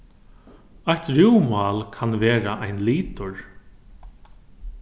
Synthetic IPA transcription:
ajht̪ɾuwmaːlkʰanveːɾaʔajnliːt̪ʊɹ

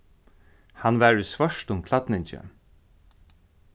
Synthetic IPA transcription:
hanʋæːɹʏsvœʂtʊmkʰlat̪nɪɲt͡ʃə̰

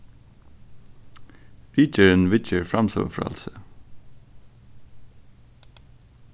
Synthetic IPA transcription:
ɾiːt͡ʃəɹənʋɪt͡ʃəɹfɹɑmso̰ːfɹɑ̰lsə

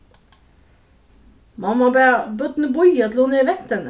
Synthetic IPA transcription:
mɑmɑbæːʁbœt̪nəbɔjɑt̪ʰl̩hʊneːʋɛt̪ən

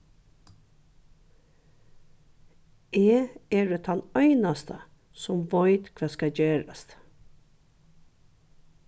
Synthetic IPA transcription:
ʔeːeːɖeːt̪ʰɑnœʏnɑst̪ʰə | sɔmʋɑɪt̪kʰʋæːskɑɟeːɾa̰st̪

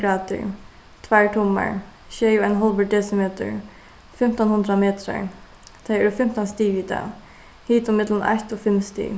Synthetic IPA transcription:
ɾaːt̪ɪ̰ɹ | t̪ʰvæɹʈ̪ʰʊmːa̰ɹ | ʃɛːjʊanɦɔlbəʈ̚d̪ɛsɪmɛːt̪ə̰ɹ | fɪm̥t̪ɔnhʊnd̪ɾamɛːt̪ɾa̰ɹ | t̪ʰajɛɾʊfɪm̥t̪ɔnst̪iːʋiːt̪a̰ | hiːt̪ʊmɪt̪lənʔa̰ht̪ɔfɪmst̪ḭ

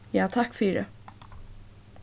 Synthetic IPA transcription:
jaːt̪ʰakːfyːɖɛ

